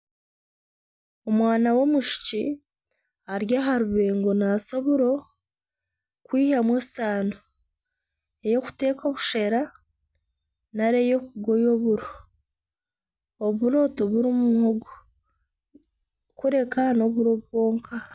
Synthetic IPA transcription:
omwaːnawo̞muʃi̥ci | aɾjaɦaɾuβe̞ːŋɡo̞nasaβuɾo̞ | kwiːhamwesaːno | ejo̞ku̥te̞ːko̞βuʃe̞ɾa | naɾe̞jo̞kuɡo̞jo̞βuɾo | oβuɾo̞ːto̞βuɾimumuhoɡo | kuɾe̞kano̞βuɾoβwo̞ːŋkʰa

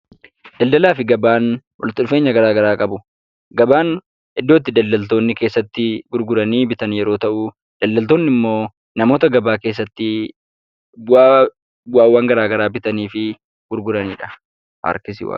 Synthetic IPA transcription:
d̪̥ɐld̪ɐlaːfɪɡɐbaːn | wʔɐ̰lɪt̪ːɪᶑʊfe̞ːɲːɐɡɐɾaːɡɐɾaːkʼɐbʊ | ɡɐbaːn | ɛd̪ːo̞ːt̪̬ːɪd̪ɐld̪ɐlt̪o̞ːnːɪke̞ːsːɐt̪ːɪɡʊɾɡʊɾɐniːbɪt̪ɐnjɛɾoːt̪ɐʔʊ | d̪̥ɐld̪ɐlt̪o̞ːnːɪmːo̞ː | nɐmo̞ːt̪ɐɡɐbaːke̞ːs̬ːɐt̪ːɪ | waːwːaːŋɡɐɾaːɡɐɾaːbɪt̪ɐniːfɪ | ɡ̥ʊɾɡʊɾɐniːᶑɐ̥ | ɐ̰ɾkɪsɪ̰w̰

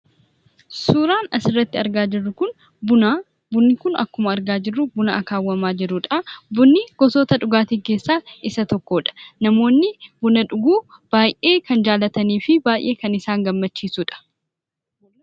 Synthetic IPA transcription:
suːɾaːnɐsɪrːɐt̪ːɪɐɾɡaːd͡ʒɪrːʊkʊn | bʊna | bʊnːɪkʊnɐ̰kːʊmɐɐɾɡaːd͡ʒɪrːʊbʊnɐʔɐkaːwːɐmaːd͡ʒɪɾʊᶑɐɐbʊnːɪɡ̥ɔsoːt̪ɐᶑʊɡaːt̪iːke̞ːsːaːɪsɐt̪ɔkːo̞ːᶑɐ̥nɐmo̞ːnːɪbʊnɐᶑʊɡuːb̥aːjʔe̞ːkɐnd͡ʒaːlɐt̪ɐniːfɪbaːjʔe̞ːkɐnɪsaːŋɡɐmːɐt͡ʃːiːsuːᶑɐ̥

